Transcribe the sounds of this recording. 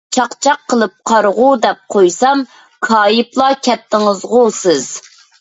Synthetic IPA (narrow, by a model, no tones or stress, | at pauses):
t͡ʃʰɑqt͡ʃʰɑqːəlˠɨp̚qʰɑɾʁud̪ɛp̚qʰojsɑm | kʰɑːjɪplˠɑkʲʰɛt̪ʰːɪŋəzʁolˠsɪz̥